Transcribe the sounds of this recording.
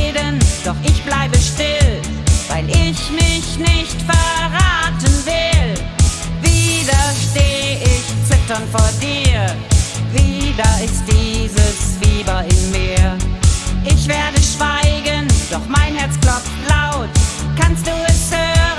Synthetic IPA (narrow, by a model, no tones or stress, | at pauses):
dənd̥ɔχʔɪçb̥laɪbəʃtɪl | vaɪlʔɪçmɪçnɪçtfɛɐʁaːtənvɪl | viːdɐʃteːʔɪçt͡sɪtɐnfoːɐdiːɐ | viːdɐɪst̚d̥iːzəsfiːbɐɪmːiːɐɐ | ʔɪçv̥eːɐdəʃv̥aɪɡənd̥ɔχmaɪnhɛɐt͡sklɔp͡ftlaʊtkanst̚d̥uːɛshøːʁə